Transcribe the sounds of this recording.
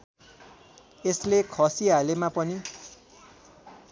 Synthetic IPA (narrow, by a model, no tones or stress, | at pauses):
eslekʰʌsiɦalemapʌni